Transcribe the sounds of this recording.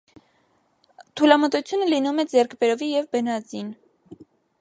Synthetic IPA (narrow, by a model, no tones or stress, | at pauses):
t̪ʰulɑmət̪ut͡sʰjunəlinumɛd͡zɛɾkʰbɛɾɔvijɛvbənɑd͡zin